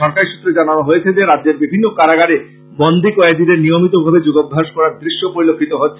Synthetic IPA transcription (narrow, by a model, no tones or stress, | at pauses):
ɔɾkaɾiʃu̥t̪ːɾed͡ʑananoɦojet͡ɕʰed͡ʑeɾadd͡ʑeɾbibʱinːokaɾaɡaɾe | bond̪ʱikɔed̪id̪eɾnijomit̪obʱabed͡ʑoɡobʱɦaʃkɔɾaɾd̪ɾiʃːopoɾilokʰːit̪oɦotːɕʰ